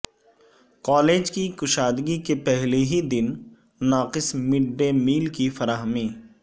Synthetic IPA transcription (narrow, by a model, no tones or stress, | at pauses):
kaːleːd͡ʒkikʊʃaːd̪ɡikepɛɦleɦid̪ɪn | naːqɪsmɪɖːemiːlkifɐɾaːɦmiː